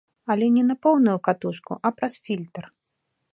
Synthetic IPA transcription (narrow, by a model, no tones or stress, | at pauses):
ɐlʲɛnʲɛnɐpɔwnujukat̪uʂkuʔɐpɾɐsfʲilʲt̪ɐr